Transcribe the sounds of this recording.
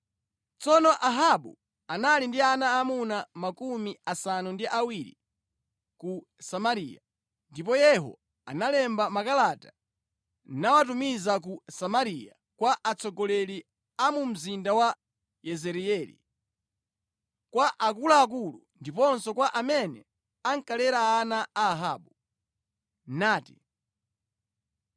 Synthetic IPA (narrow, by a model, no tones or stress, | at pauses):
t͡sɔnɔʔaɦaɓṵ | analindianaːmunamakumiasanundiʔawiɾḭ | ku | samaɾḭːja̰ | ndipɔjɛɦɔ̰ | a̰nalɛmbamakalatḁ | nawatumizak̬usamaɾija̰ | kwaʔat͡sʰɔɡɔlɛli | amum̩zindawa | jɛzɛɾiɛːlḭ | kwaʔak̬ulaːk̬ulundipɔnsɔkwaʔamɛnɛ̰ | aŋkalɛɾaːnaaːɦaːɓu | naːti̥̰